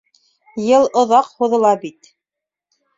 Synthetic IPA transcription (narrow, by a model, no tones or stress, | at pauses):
jɤlˠŏðɑqhuðɤ̆lˠɑbit̪